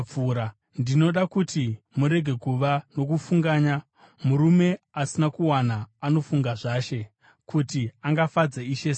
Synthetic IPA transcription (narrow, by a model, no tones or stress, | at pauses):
p͡fuːɾa | ndino̞ɗakuti | muɾe̞ɡʱe̞kuʋano̞k̬ufuŋɡaːɲa | muɾume̞ | asinakuwanaːno̞fuŋɡaʐaːʃe̞ | kʰutiaŋɡafad͡zaiʃes